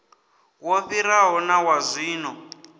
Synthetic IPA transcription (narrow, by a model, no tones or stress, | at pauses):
woɸiɾaɦɔnawazʷiːnɔ